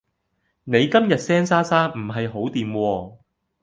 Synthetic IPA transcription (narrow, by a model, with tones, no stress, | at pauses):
ne˨˧jkɐ˥mjɐ˨t̚sɛː˥ŋsaː˥saː˥m̩˨˩ɦɐ˨jɦo˨˥wt̪iː˨mwɔː˧